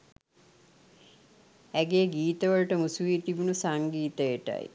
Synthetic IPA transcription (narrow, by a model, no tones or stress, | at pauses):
æɡeɡiːt̪əʋəɭʈəmusuʋiːt̪ibunusaŋɡiːt̪əjeʈa̰j